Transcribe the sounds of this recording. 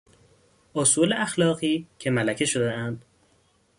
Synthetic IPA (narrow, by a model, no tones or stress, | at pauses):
ʔosuːleʔæxlɒːɣiːcʰe̞mælæcʰe̞ʃo̞d̪eænd̪̥